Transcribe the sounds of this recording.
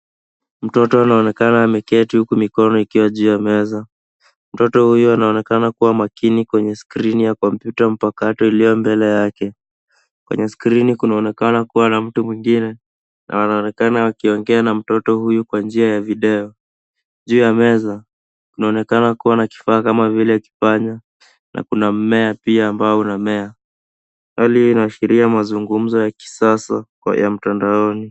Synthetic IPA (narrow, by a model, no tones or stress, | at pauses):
m̩tɔtɔanaɔnɛkanaːmɛkɛtihukumikɔnɔikiwaʄuːjamɛza | m̩tɔtɔhujuanaɔnɛkanakuwamakinikwɛɲɛskɾinijakɔmpjutam̩pakatɔilijɔmbɛlɛjakɛ | kwɛ̰ɲɛskɾinikunaɔnɛkanakuwanam̩tumwiŋɡinɛ | nʔa̰wanaɔnɛkanawakiɔŋɡɛanam̩tɔtɔhujukwand͡ʒiajaviɗɛɔ | ʄuːjamɛza | kunaɔnɛkanakuwanaki̥faːkamavilɛaki̥faɲa | nʔa̰kunam̩mɛapiaːmbaunamɛa | waliːnaʃiɾiamazuŋɡum̩zɔjaki̥sasa̰ | jam̩tandaɔni